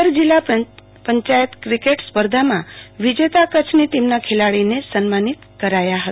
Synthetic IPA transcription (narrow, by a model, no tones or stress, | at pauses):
əɾd͡ʒilːap | pəɲt͡ʃajət̪kɾikeʈspəɾd̪ʱamãʋid͡ʒet̪akət͡ʃʰnit̪imnakʰelaɭinesənmanit̪kəɾajaɦət̪